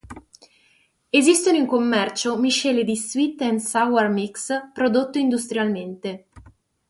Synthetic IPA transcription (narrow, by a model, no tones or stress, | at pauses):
ezist̪onoiŋkomːɛrt͡ʃomiʃɛːled̪iswit̪ːɛnsawarmikspɾod̪ot̪ːoind̪ust̪ɾjalment̪e